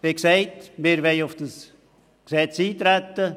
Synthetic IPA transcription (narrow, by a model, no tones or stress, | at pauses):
eksɛɪtmɪɾʋɛɪʊfd̥əs | ksɛt͡siːt̪ɾæt̪ːə